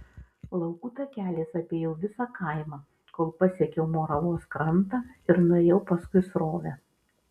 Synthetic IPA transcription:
lˠɐʊkuːt̪ɐkʲæːlʲeːsɐpʲeːjɛʊʋʲɪsɑːkʰɐɪmɑː | koːlˠpɐsʲɛkʲɛʊmoːɾɐlˠoːskɾɐnt̪ɑːɪɾnʊɛjɛʊpɐskʊɪsɾoːʋʲɛ

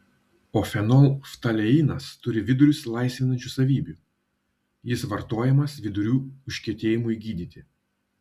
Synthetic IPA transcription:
oːfʲɛnɔlˠft̪ɐlʲɛiːnɐst̪ʊɾʲɪʋʲɪd̪ʊɾʲʊslˠɐɪsʲʋʲɪnɐnʲt͡ʃʲusɐʋʲiːbʲuːˑ | jɪsʋɐɾt̪oːjɛmɐsʋʲɪd̪ʊɾʲuːʊʃʲkʲiɛt̪ʲeːjɪmʊiɡʲiːd̪ʲiːt̪ʲɪ

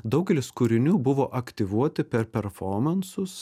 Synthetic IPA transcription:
d̪ɐʊɡʲɛlʲɪskʊɾʲɪnʲuːbʊʋoːʔɐkt̪ʲɪʋuɔt̪ʲɪpʲɛɾpʲɛɾfoːmɐnsʊs

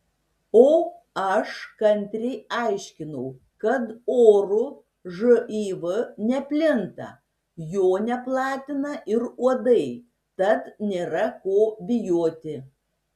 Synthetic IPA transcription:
oː | ɐʃkɐnʲt̪ʲɾʲɛɪɑɪʃʲkʲɪnɐʊ | kɐt̪oːɾʊ | ʒoʔiːʋɨnʲɛpʲlʲɪnt̪ɐ̰ | joːnʲɛplˠɑːt̪ʲɪnɐʔɪɾuɔd̪ɐɪ | t̪ɐt̪nʲeːɾɐkoːbʲɪjoːt̪ʲɪ

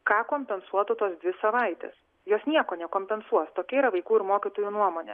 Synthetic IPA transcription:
kɑːkoːmʲpʲɛnsuɔt̪ʊt̪oːsd̪ʲʋʲɪsɐʋɐɪt̪ʲɛ̰ːs | joːsnʲiɛkoːnʲɛkoːmʲpʲɛnsuɔst̪oːkʲɛiɾɐʋɐɪkuːɪɾmoːkʲɪt̪oːjuːnuɔmoːnʲɛ̰

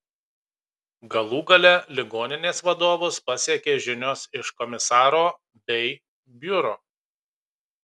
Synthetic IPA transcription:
ɡɐlˠuːɡɐlʲɛlʲɪɡoːnʲɪnʲeːsʋɐd̪oːʋospɐsʲiɛkʲeːʒʲɪnʲoːsɪʃkɔmʲɪsɑːɾoː | bʲɛɪ | bʲʊɾoː

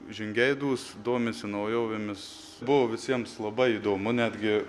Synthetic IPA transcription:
ʒʲɪŋʲɡʲɛɪd̪uːsd̪oːmʲɪsʲɪnɐʊjoːʋʲɪmʲɪs | bʊʋoːʋʲɪsʲiɛmslˠɐbɐɪiːd̪oːmʊnʲæːd̪ʲɡʲɪ

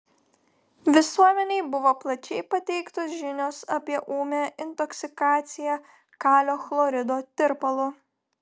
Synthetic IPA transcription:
ʋʲɪsuɔmʲɛnʲɛɪbʊʋoːplˠɐt͡ʃʲɛɪpɐt̪ʲɛɪkt̪oːsʒʲɪnʲoːsɐpʲiɛʔuːmʲæɪnt̪ɔksʲɪkɑːt̪sʲɪjæ | kɑːlʲoːxlˠɔɾʲɪd̪oːt̪ʲɪɾpɐlˠʊ

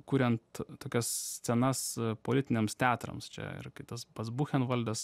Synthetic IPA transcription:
kuːɾʲɛnt̪t̪oːkʲɛssʲt͡s̪ʲɛnɐspoːlʲɪt̪ʲɪnʲeɛmst̪ʲæːt̪ɾɐ̰mst͡ʃʲɛ̰ɪ̰ɾkɐɪt̪ɐsbɐsbuxʲɛnʋɐlʲd̪ʲɛs

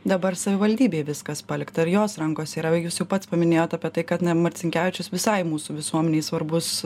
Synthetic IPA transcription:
d̪ɐbɐɾsɐʋʲɪʋɐlʲd̪ʲiːbʲeːʋʲɪskɐspɑːlʲɪkt̪ɐɪɾjoːsɾɐŋkoːsʲiːɾɐjuːsjɛʊpɐt̪spɐmʲɪnʲeːjoːt̪ɐpʲiɛt̪ɐɪkɐt̪nɐmɐɾʲt̪sʲɪŋʲkʲæːʋʲɪt͡ʃʲʊsʋʲɪsɐɪmuːsuːʋʲɪsuɔmʲɛnʲeːɪsʋɐɾbʊs

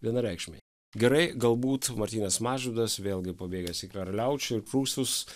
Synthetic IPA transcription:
ʋʲiɛnɐɾʲɛɪkʃʲmʲɐɪ | ɡʲɛɾɐɪɡɐlˠbuːt̪mɐɾʲt̪ʲiːnʲɛsmɑːʒʲuːd̪ɐsʋʲeːlˠʲɡʲɪpɐbʲeːɡʲɛsʲikɾɐɾlʲɛʊt͡ʃʲʊɪɾpɾuːst̪ʊs

